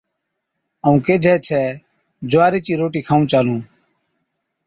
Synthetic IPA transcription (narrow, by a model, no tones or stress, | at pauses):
əũːkeːd͡ʒʱɛːt͡ʃʰɛː | d͡ʒʊaːɾiːt͡ʃiːɾoːʈiːkʰaːũːt͡ʃaːlũː